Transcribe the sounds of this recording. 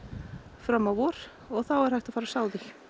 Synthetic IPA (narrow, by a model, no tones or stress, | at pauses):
fɾamːavɔɾ̥ | ɔɣθawɛɾhajht̪ḁfaːɾasaːwðix